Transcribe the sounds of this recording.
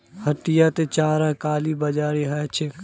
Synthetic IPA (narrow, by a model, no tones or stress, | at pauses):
hɐʈijat̪et͡ʃaːɾɛkaːlibɐd͡ʒaːɾiɦɛt͡ʃʰe